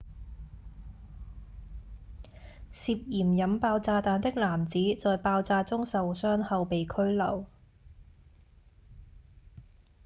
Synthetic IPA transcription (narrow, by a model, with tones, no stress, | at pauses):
siː˧p̚jiː˨˩mjɐ˨˥mpaː˧wt͡saː˧t̪aː˨˧˥nt̪ɪ˥k̚laː˨˩mt͡siː˨˥t͡sɔː˨jpaː˧wt͡saː˧t͡sʊ˥ŋsɐ˨wsœː˥ŋhɐ˨˧wpe˨jkʰɵ˥ɥlɐ˨˩w